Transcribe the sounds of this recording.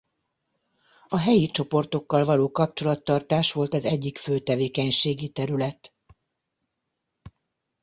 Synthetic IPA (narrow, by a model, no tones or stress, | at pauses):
ɒɦɛjit͡ʃo̞po̞rt̪o̞kːɒlvɒloːkɒp̚t͡ʃo̞lɒt̪ːɒrt̪aːʃʋo̞lt̪ɒzɛɟːikføːt̪ɛveːkɛɲʃeːɡit̪ɛɾylɛt̪